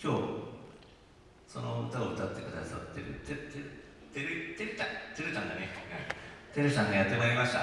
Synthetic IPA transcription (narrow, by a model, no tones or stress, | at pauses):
kʲo̞ː | so̞not̪aot̪at̪ːekɯd̪a̰sa̰t̪ːeɾt̪et̪eɾt̪eɾɯt̪eɾɯt̪ãt̪ːeɾɯ̟t̪ãnd̪ane | t̪e̞ɾɯɕãnd̪ejat̪ːemaɾemaɕi̥t̪a̰